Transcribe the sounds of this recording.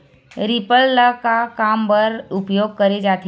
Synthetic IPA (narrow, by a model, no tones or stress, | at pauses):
ɾipəlləkakaːmpəɾʊpjoːɡ̚kəɾed͡ʒaːt̪